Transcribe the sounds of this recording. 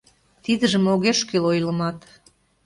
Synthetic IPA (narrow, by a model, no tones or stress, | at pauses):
t̪id̪əʒəmoɣeʃkelojlə̆mɑt̪